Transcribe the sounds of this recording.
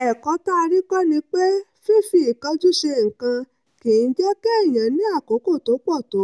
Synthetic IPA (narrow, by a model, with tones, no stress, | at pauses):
ɛ˨kɔ˨˦ta˦˧ɾi˦kɔ˦nĩ˧k͡pe˦fe˦˨fi˧˨i˨ka˧˦d͡ʒu˦ʃe˧˨ŋ̩˨kã˧ | ke˨˦˧d͡ʒɛ˦kɛ˦˨j̃ã˨nĩ˨˦a˦˨ko˨˦ko˦˨to˨˦k͡pɔ˦˨to˨˦